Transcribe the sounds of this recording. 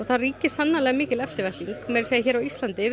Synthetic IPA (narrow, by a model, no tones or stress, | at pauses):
ɔθariːcɪ̥sanːalɛːɣmɪːcɪlɛft̪ɪɾvɛht̪iŋkmɛɾ̥seːjɪçɛːɾawist̪lant̪ɪ